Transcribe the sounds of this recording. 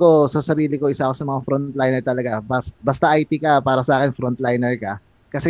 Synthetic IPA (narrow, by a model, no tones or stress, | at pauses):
osɐsɐɾiːlɪkoʔɪsaʔkosɐmɐŋafɾont̪lajnɛɹt̪ɐlɐɡabɐsbɐst̪aʔajt̪ɪkɐpaːɾɐsɐʔaːkɪnfɾont̪lajnɛɹkɐ | kɐsɛ